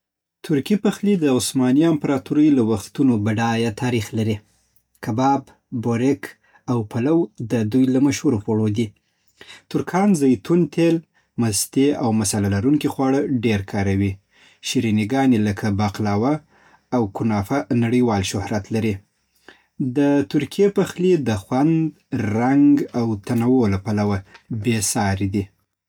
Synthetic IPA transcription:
t̪ʰʊɾkipaxlid̪əʊsmɑniɪmpaɾɑt̪uɾəjlawaxt̪unobaɖɑjat̪ʰɑɾixlaɾi | kʰabɑb | boɾɪk | awpʰalawd̪əd̪ujlamaʃhuɾopoɽod̪i | t̪ʊɾkʰɑnzajt̪unt̪ʰel | mast̪eawmasalalaɾuŋkixwɑɽəɖeɾkʰɑɾawi | ʃiɾiniɡɑneləkʰabaqlɑwaː | wkʊnɑfanaɽəjwɑlʃʊhɾat̪laɾi | d̪ət̪ʊɾkʰijepaxlid̪əxwand̪ | ɾaŋɡawt̪anawolapalawabesɑɾid̪i

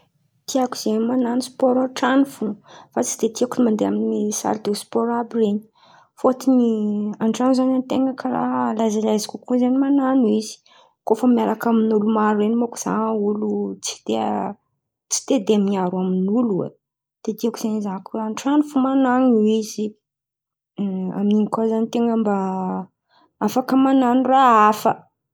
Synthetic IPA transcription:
t̪ʰiaku̥z̥enmananuspoɔɾaʈ͡ʂanufufat͡si̥d̪et̪iakunimand̪eaminiisa̰ɾd̪̥euspɔɾabireɲi̥ | fot̪iniaɳʈ͡ʂanzanant̪eŋɡəkʰara̰ɦlazalajzikʲukuzanimananuizi̥ | kofəmjaɾakaminulumaɾuenimakuz̥a̰ŋəulut͡si̥d̪̥e | t͡si̥t̪ed̪eamiaɾwaminuluḛ | d̪̥ed̪iakuz̥anizankuaɳʈ͡ʂanufumanaŋuiz̥i | a̰miniŋikazanit̪eŋɡəmba | afakəmananuraafə

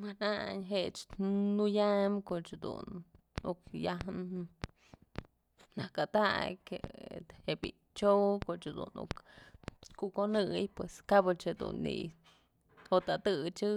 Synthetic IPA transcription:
manaɲɦet͡ʃnujamkoʔt͡ʃhad̪ṵn | uk̚jaɦn | nakat̪akʲḛhebi | t͡ʃokot͡ʃhad̪ṵnṵk | kukonɨjpweskabɨt͡ʃhed̪ṵnːḭ | ot̪at̪ɨt͡ʃɨ

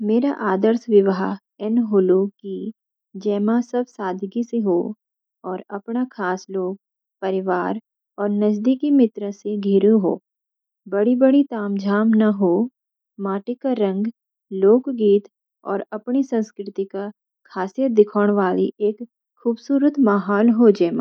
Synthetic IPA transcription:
meːɾaʔaːd̪əɾsʋɪʋɦa | ɛnɦʊluki | d͡ʒɛːmãsɐb̚saːd̪ʱɡiseɦoː | ɔːɾɐpɳakʰaːsloːɡ̚ | pɐɾɪʋaːɾ | ɔːɾnəd͡ʒd̪ikimɪt̪ɾəseɡʱiːɾũɦo̰ː | bɐɽibəɽit̪aːmd͡ʒʱaːmnaɦo | maːʈɪkaɾɐ̃ŋɡ | loːkɡiːt̪ | ɔ̰ːɾɐpɳisɐ̃nskɾɪt̪ika | kʰaːsijəd̪ɪkʰoːɽ̃ʋaːlḭʔeːkʰː | uːbsuːɾət̪maɦɔːlɦod͡ʒɛːmã̰ː

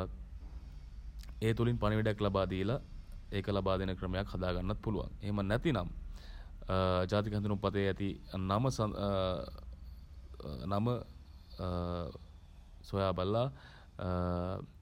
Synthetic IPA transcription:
eːt̪ulinpɐniʋiɖjaklabaːd̪ijəlaekəlɐbaːd̪inəkɾəmejakhɐd̪aːɡanːɐt̪̚puluʋa̰ŋeɦemənɛt̪inam | d͡ʒaːt̪̬ikɦɐnd̪ɾupat̪eɛt̪inaməs | namə | sojaːbɐlːa

